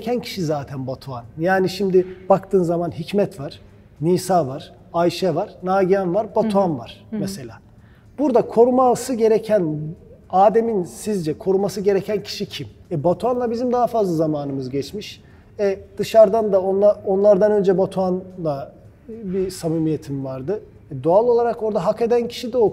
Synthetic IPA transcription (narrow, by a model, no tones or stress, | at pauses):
cʰæncʰi̥ʃizaːt̪ʰænbat̪ʰuanjaːniʃimd̪ɪb̥akt̪ʰɯːnzamanɦicmɛt̪vaɾ̥ | niːsaːvaɾ̥ | ajʃɛvaɾ̥naːɟianvaɾbat̪ʰuanvaɾ̥mɛse̞lʲaː | b̥uɾd̪akʰo̞ɾumaːlˠsɯɟe̞ɾecʰænaːd̪eminsizd͡ʒɛkʰo̞ɾumasɯɟe̞ɾecʰæncʰi̥ʃicʰimɛbat̪ʰuanlˠabizimd̪aɦafazlˠazamaːnɯmɯzɟɛt͡ʃmiʃ | ɛd̪̥ɯʃaɾd̪and̪aonˠao̞nlˠaɾd̪anø̞nd͡ʒɛbat̪ʰuanlˠa | bisamiːmijet̪ʰimvaɾd̪ɯ | ɛd̪o̞alˠo̞lˠaɾako̞ɾd̪aɦake̞d̪æncʰi̥ʃid̪ɛo